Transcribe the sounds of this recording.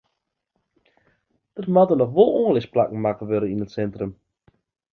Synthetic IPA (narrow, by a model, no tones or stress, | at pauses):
d̥ətmadənɔχʋolˠoːəlɪsplakŋ̩makəʋøləinətsɛntrəm